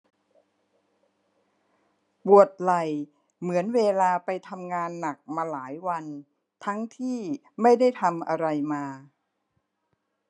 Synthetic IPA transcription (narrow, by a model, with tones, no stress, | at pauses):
pu˨˩ət̪̚la˨˩j | mɯ˩˦ənweː˧laː˧pa˧jt̪ʰa˧mŋaː˧nːa˨˩k̚maː˧laː˩˦jwa˧n | t̪ʰa˦˥ŋt̪ʰiː˥˩ | ma˥˩jda˥˩jt̪ʰa˧mʔa˧ɾa˧jmaː˧